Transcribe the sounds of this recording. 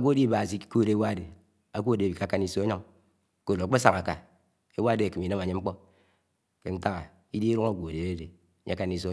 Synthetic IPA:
a˨ɡʷo˦di˦ba˨si˦ko˦˨de˦wa˦˨de˨ | a˨kʷo˦˨dbi˨ka˨˦˨ka˦ni˦˨so˦e˦ɲo˦ŋ˦ | ko˨lk͡pe˦sa˨ŋa˨ka̰˨ | e˦wa˦de˨a˨ki˨m˨i˨na˦ma˨ɲe˦ŋ͡m̩˦k͡po˦ | ke˨n̩˦ta˦ŋa˨ | i˦di˦i˦ɾu˦ŋa˨ɡʷo˨de˨e˦de˨˦ | ɲ̰˦ka˦ni˨so˦

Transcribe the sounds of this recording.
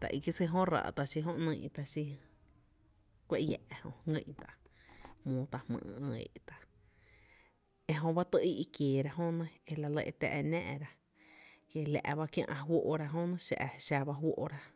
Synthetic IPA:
t̪a̰˨ʔi˧ki˦se˧ɦõ˦ra̰ː˧˨t̪a˨ʃi˧ɦõ˦ʔnə̃˧˨ʔt̪a˧ʃi˧ | kʷe˧ʔjɛ̰˨ʔhõ˧ŋɡə̃˧˨ʔt̪a˧ʔ | mõː˧t̪a˧˨hmɨ̰̃ː˧ə̃˧ḛ˧˨ʔt̪a˧ | e˧ɦõ˧ba˦t̪ə˧ʔi˦ʔi˧kjeː˨ɾa˧ʔɦõ˦nẽ˦e˧la˧le˧ʔt̪ɛ̰˧ʔnæ̃ː˧ʔɾa˧ | ke˧læ̰˨ʔba˧kjã̰˧ʔã˧ɦwo˦˧ʔɾa˧ɦõ˦nə̃˦ʃa̰˧ʔʃa˧ba˧ɦwo˦ʔɾa˧

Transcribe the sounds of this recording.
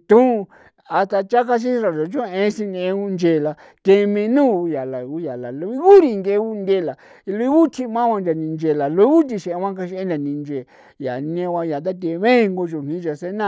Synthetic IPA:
t̪ũ˦˧ | a˧t̪a˧t͡ʃa˦ka˦ʃ̬i˦ɾa˨o˨t͡ʃõ˦˧ẽ˧˦sĩ˧nĩ˧ẽ˧u˧nd͡ʒe˨la˧ | t̪e˧mĩ˧nũː˦˨˧ja˨la˨u˦ja˨la˨lo˧i˦ɣu˦ɾi˧ŋɡe˧˦˧u˦˧nd̪e˦˨la˨ | i˧lo˧i˦βu˦t̪ʰi˦˧mã˦wʷã˧nd͡ʒa˨nĩ˧nd͡ʒe˨la˨lo˧i˦βu˦t̪̬i˧ʃẽ˨˧ã˦ka˧ʃi˧ẽ˦na˨nĩ˧nd͡ʒe˨ | ja̰˨˧nĩ˧ẽ˧ã˧ja˨t̪̬a˦t̪e˧βẽ˦˧ŋɡo˧ʒo˨nĩ˨˦d͡ʒa˨se˦nã˦

